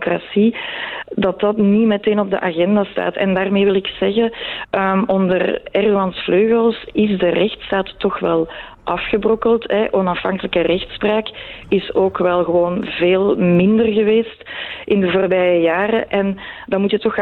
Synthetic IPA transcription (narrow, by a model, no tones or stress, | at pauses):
krasi | dɑtɑtnimɛteːnɔb̚də̰ʔaɣɛndaːsta̰ːtɛ̰ndaːrmeːʋɪlɪksɛɣəəɔndərɛrdoɑnsfløːɣəlˠsɪzdərɛxtstaːtːɔxʋɛlˠ | ʔɑfxəbrɔkəlˠtɦɛʔɔnɑfɑŋkələkərɛxtspraːkɪsoːkʋɛlˠɣəʋoːnveːlˠmɪndərɣəʋeːstʔɪndəvoːrbɛjəjaːrəʔɛndɑmutjətɔx